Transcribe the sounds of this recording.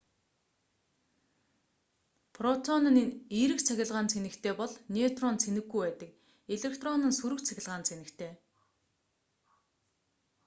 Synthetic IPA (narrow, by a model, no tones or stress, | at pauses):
pʰrɔt̪ʰɔnə̆niiːɾɘ̆kt͡sʰæxʲɪ̆ɮʁaːnt͡sʰenɘ̆kt̪ʰeːpɔɮnʲet̪rɔnt͡sʰenɘ̆ɡɡːujpæːt̪ə̆k̚ | eɮekt̪rɔnə̆nsuɾɘ̆kt͡sʰæxʲɪ̆ɮʁaːnt͡sʰenɘ̆kt̪ʰeː